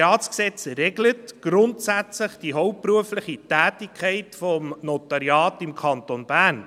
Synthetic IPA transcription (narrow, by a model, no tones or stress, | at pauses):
ɑːtsksɛt͡sɾɛɡlətɡ̥ɾʊntsæt͡sləχd̥iɦɔʊp̚pɾuəfləχitæːtikʰχɛɪtfɔmnotɑɾjɑːtɪmkʰɑntonb̥ærn